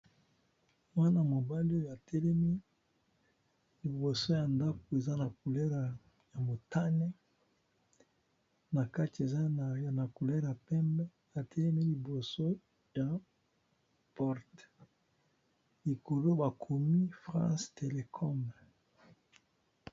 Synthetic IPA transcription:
mwa˦na˨mo˨ba˦li˦o˦ja˨tʰɛ˦lɛ˦mi˦ | li˨bo˨so˦ja˨nda˦ko˨e˨za˦na˨ku˨lɛ˦ʁa˨ | ja˨mo˨ta˦nɛ˦ | na˨ka˦ti˨e˨za˦n˨a˨na˨ku˨lɛ˦ʁa˨pɛ˦mbɛ˦ | a˨tʰɛ˦lɛ˦mi˦li˨bo˨so˦ | ja˨ | pɔ˦ʁt | li˨ko˨lo˦ba˨kʰo˨mi˦fʁã̰˦ste˨le˨kʰɔ˦m

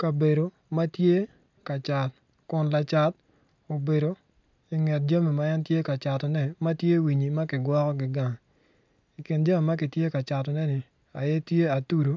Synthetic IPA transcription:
ka˨be˨ɾo˨ | ma˦tje˦ | ka˨t͡ʃa˨t̚ | kʊ˨nla˨t͡ʃa˦t̚ | o˨be˨ɾo˨ | i˨ŋɛ˨t̚d͡ʒa˦me˨ma˦ɛ˦ntje˦ka˨t͡ʃa˨tɔ˨nɛ˦ma˦tje˦wi˨ɲi˨ma˦kɪ˨ɡwɔ˦kɔ˦ɡɪ˨ɡa˨ŋ | i˨kɪ˨nd͡ʒa˦me˨ma˦k̬ɪ˨tje˦ka˨t͡ʃa˨tɔ˨nɛ˦nɪ˨ | a˨jɛ˦tje˦a˨tu˦ɾo˨˦

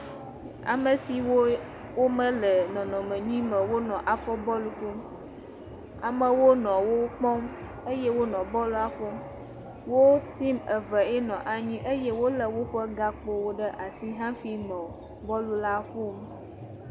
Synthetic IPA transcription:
a̰˨mə˨si˨wo˦ | wo˦mə̃˦lə˨nɔ̃˨nɔ̃˨mə̃˨ɲĩ˦mə̃˨wo˦nɔ̃˨ʔa˨fɔ˦bɔ˦lu˨ku˦m | a̰˨mə̃˨wo˦nɔ̃˨wo˦k͡pɔ̃˦m | ə˦je˦wo˦nɔ̃˨bɔ˦lu˦a˨ɸo˦m | wo˦t̪i˦mə˨və˨e˦nɔ̃˨ʔa˨ɲĩ˦ʔə˦je˦wo˦lə˨wo˦ɸə˦ɡa˦k͡po˦wo˦ɖə˦ʔa˨si˦ɦã˦fi˦nɔ̃˨ | bɔ˦lu˦la˦ɸo˦m

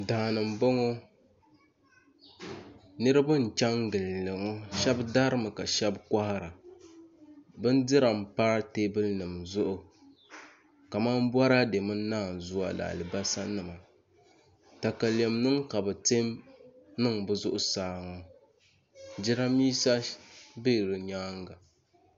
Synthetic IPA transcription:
daː˨nɨ˨m˨bo˦ŋo˦ | nɨ˦ɾɨ˦ba˦n̩˨t͡ʃa˦ŋɡɨ˨llɨ˨ŋɔ˦ʃɛ˦bda˦ɾɨ˦mɨ˨ka˨ʃɛ˦bkʷa˦ha˦ɾa˨ | bɨ˦n˦dɨ˦ɾa˨m̩˨pa˦ɾa˦te˦bɨ˦lnɨ˨mzʊ˦ʔʊ˨ | ka˨ma˦m˦ba˦ɾa˦de˨mɨ˦naː˦˨n˨zʊ˦a̰˨la̰˨lɨ˨ba˦sa˦nɨ˨ma˨ | ta˨ka˨le˨mnɨ˦ŋka˨bɛ˨te˦m | nɨ˦ŋbɨ˦zʊ˦ʔʊ˦saː˨˦ŋɔ˦ | d͡ʒɪ˦ɾa˦miː˦sa˦be˦˨ɾɨ˨ɲaː˦ŋɡa˨

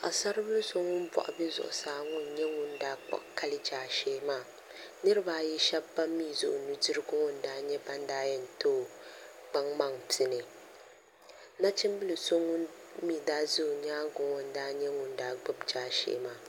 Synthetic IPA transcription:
ʔa˨sa˦ɾɨ˦bɨ˦lɨ˦so˦ŋːʊ˦n˦bɔ̰˨ʔʊ̰˨bɛ˦zʊ̰˨ʔʊ̰˨saː˨˦ŋʊ˦n˨ɲɛ˦ŋʊ˦n˦daː˦k͡pa̰˦˨ʔka˦lɨ˦d͡ʒaː˨ʃeː˦maː˦˨ | nɨ˦ɾɨ˦ba˦˨ji˦ʃɛ˦ba˦mːiː˦˨zʊ̰˦ʔʊ˨nu˦dɨ˦ɾɨ˦ɡʊ˦ŋɔ˦n̩˨daː˦ɲɛ˦ba˦n˦daː˦jɛ˦n̩˨to˦˨ | ɡ͡ba˦ŋma˦ŋtʰɪ˦nɨ˨ | na˦t͡ʃɪ˦mbɨ˦lɨ˨so˦ŋːʊ˦n | miː˦˨daː˦zʊ˦˨ɲ˦aː˦ɡʊ˨ŋo˨n̩˦daː˦ɲɛ˦ŋʊ˨n˦daː˨˦ɡ͡bʊ˦bd͡ʒaː˦ʃḛː˦maː˦˨

